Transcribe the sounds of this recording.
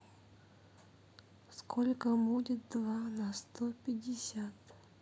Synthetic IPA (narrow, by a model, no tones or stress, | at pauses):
skʰolʲkəbudʲɪt̪̚d̪vanɐst̪opʲɪdʲɪsʲat̪